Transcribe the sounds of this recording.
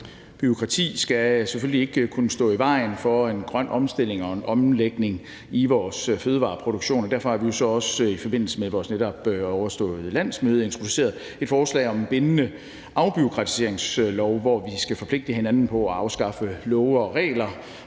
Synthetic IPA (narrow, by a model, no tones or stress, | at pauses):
b̥yʁokʰʁɑ̈t͡sʰḭːsɡ̥æseføllie̝ɡ̥ə̥kʰunəsd̥ɔ̰̽ːiʋɑ̈ɪnfɒ̽e̝nɡ̥ʁɶn̰ʔɒ̽msd̥e̝l̰e̝ŋɒ̽enʔɒ̽mleɡ̥ne̝ŋ | iʋɒːsføːð̞ˠəʋɑ̰̈ːpʰʁo̝ɾ̥oɡ̥ɕo̝̰ːnɒd̥æɐfɒ̽hɑʋijo̝sɒ̽ɒ̽sifɒ̽be̝n̰l̩səmeðˠʋɒːsneɾ̥ɒ̽b̥ɒʊɐsd̥ɔ̰̽ːð̩ˠəlæn̰smøːð̞̩ˠe̝nt͡sʰʁo̝d̥use̝̰ɐð̩ˠ | e̝d̥fɒːslɛ̰ɪɒ̽mnb̥e̝nənə | ʔɑ̈ʊb̥yo̝kʰʁɑ̈t͡sʰi̥se̝ɐ̰eŋslɒʊʋɒʋisɡ̥æfɒ̽pʰle̝ɡ̥̚d̥əɦenænn̩pʰɒ̽æɑ̈ʊsɡ̥ɑ̈fəlɔʊʁɛ̰ːlɐ